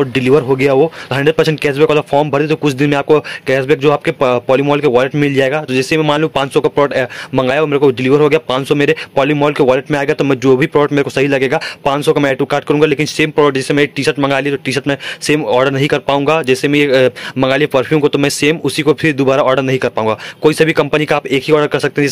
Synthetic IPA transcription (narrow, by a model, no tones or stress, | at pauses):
ɖɪliːʋəɾɦoɡɐjaʋot̪ɦɐ̃ɳɖɾəɖ̚pɐɾsɛ̃ɳʈ̚ɡɛːsbɛːkɔlafɔːɾmbʱɐɾd̪et̪okʊt͡ʃʰd̪ɪnmẽaːp̚kokɛːsbɛːkd͡ʒoːaːp̚kepɔːlimɔːlkeʋɔːlɪʈmẽmɪld͡ʒaːeːɡat̪od͡ʒɛːsemɛ̃maːlũːmpãːt͡ʃsɔkapɾɔːəʈmɐ̃ŋɡaːjaʋomeːɾekoɖɪliʋəɾɦoɡɐjapãːt͡ʃsɔmeːɾepɔːlimɔːlkeʋɔːlɪʈmẽaːeɡat̪omɛ̃d͡ʒoːbʱipɾɔːəʈmeːɾekosɐɦilɐɡeːɡaːpãːt͡ʃsɔkamɛ̃ɛːʈukaːɾʈ̚kɐɾũːŋɡaleːkɪnseːmpɾɔːɖəʈd͡ʒɛːsemɛ̃jeʈiːʃəʈmɐ̃ŋɡaːliet̪oʈiːʃəʈmɛ̃seːmɔːɾɖəɾnɐɦĩkɐɾpaːũŋɡad͡ʒɛːsemɛ̃jemɐ̃ŋɡaːliepɐɾpʰjuːmkot̪omɛ̃seːmʊsikopʰɪɾd̪obaːɾaɔːɾɖəɾnɐɦĩkɐɾpaːũŋɡakoːisɐbʱikɐ̃mpənikaaːpeːkɦiɔːɾɖəɾkɐɾsɐk̚t̪eɦɛ̃d͡ʒɛː